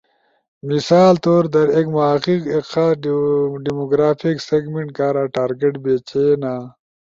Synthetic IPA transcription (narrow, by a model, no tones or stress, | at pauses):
misaːlt̪oːɾd̪ɐɾekmaqikekxa | ɖimoɡɾaːfʰikseɡmeɳʈkaːɾaʈaːɾɡeʈbeːt͡ɕeːna